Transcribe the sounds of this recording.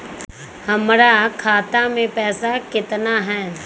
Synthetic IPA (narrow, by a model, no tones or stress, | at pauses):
hɐmɾakʰaːt̪amẽpɛːsakɪt̪naɦɛː